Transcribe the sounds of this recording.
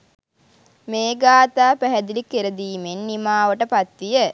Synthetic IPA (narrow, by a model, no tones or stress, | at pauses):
meːɡaːt̪aːpæɦɛd̪ilikeɾəd̪iːmenːimaːʋəʈəpat̪ʋijə